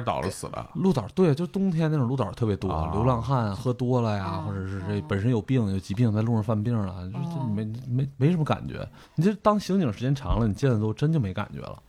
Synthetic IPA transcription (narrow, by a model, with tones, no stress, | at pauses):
t̪ɑ̰˨˩ʊlə̰˦sɹ̩˨˩lə̰˦lu˥˩t̪ɑ˨˩t̪we˥˩ɪt͡ɕjo˥˧ʊʂɻt̪ʊ˥ŋt̪ʰjɛ˥n˥˩˨lu˥˩t̪ə̰˨˩t̪ʰɤ˥˩pjɛ˧˥t̪wɔ̰˥˧ljo˧˥ʊlɑ˥˧ŋxa˥˩nxɤ˥t̪wɔ˥lə˨ja˩xwɔ˥˩ʈ͡ʂɤ˨˩ʂɻ̩˥˧ʈ͡ʂe˥˩pə˨˩nʂə˥njo˨˩ʊpi˥˩ŋjo˨˩ʊt͡ɕi˧˥pi˥˧ŋt͡sa˥˧ɪlu˥˧ɻɑ˥˩fa˥˧npi˥˩ŋlə̰˩t͡ɕjo˥˧ʊʂt͡ɕm˧˥ɪ˧me˧˥ɪme˧˥ɪʂə˧˥mə˧ka̰˨˩nt͡ɕɥɛ̰˧˥ | i˨˩t͡ɕʰi˥ʂɻ̩˥t̪ɑ˥ŋɕi˧˥ŋt͡ɕi˨˩ŋʂɻ̩˧˥t͡ɕjɛ˥nʈ͡ʂʰɑ̰˧˥ŋlə˧ni˨˩t͡ɕjɛ˥˩nə˩t̪o˥ʊʈ͡ʂə˥nt͡ɕjo˥˩ʊme˧˥ɪka̰˨˩nt͡ɕɥɛ̰˧˥lə̰˧